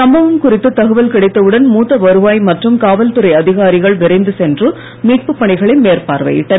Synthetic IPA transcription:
sɐmbɐʋɐmkʊrɪt̪ːɯt̪ːɐɣɯʋɐlkɪɽɐɪt̪ːɐʋɯɽɐnmuːt̪ːɐʋɐɾɯʋaːjmɐʈrɯmkaːʋɐlt̪ɯɾɐɪɐðɪɣaːɾɪɣɐɭʋɪɾɐɪnd̪ɯsɛndrɯ | miːʈ̚pɯpːɐɳɪɣɐɭɪnmeːrpaːɾʋɐ̰jɪ̰ʈːɐ

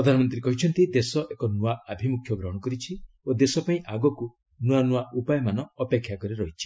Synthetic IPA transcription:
pɾɔd̪ʱanɔmɔnt̪̬ɾikɔɦit͡ʃʰɔnt̪id̪esɔʔekɔnuaabʱimukʰjɔɡɾɔɽ̃ɔkɔɾit͡ʃʰi | od̪esɔpaĩʔaɡɔku | nuanuaʔupajɔmanɔːpekʰjakɔɾiɾɔɦit͡ʃʰi̥

